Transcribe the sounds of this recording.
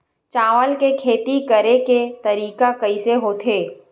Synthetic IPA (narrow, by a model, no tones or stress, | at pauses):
t͡ʃaːʋəlkekʰeːt̪ikəɾeket̪ɐɾiːkakɐiseɦoːt̪ʰeː